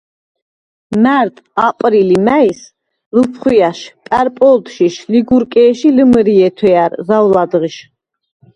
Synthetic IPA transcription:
mæɾt̪ʼapʼɾilimæis | ləpʰχwiaʃpʼæɾpʼɔlt̪ʃiʃliɡuɾkʼɛːʃiləmɾiɛt̪ʰwɛaɾzawlad̪ʁiʃ

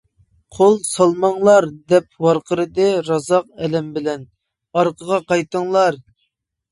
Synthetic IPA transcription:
qʰolˠsɑlˠmɑŋlˠɑɾd̪ɛp̚wɑɾqʰəɾɨd̪ɨɾɑzɑq̚ɛlɛmbɪlɛn | ɑɾqəʁɑqɑjt̪əŋlˠɑɾ

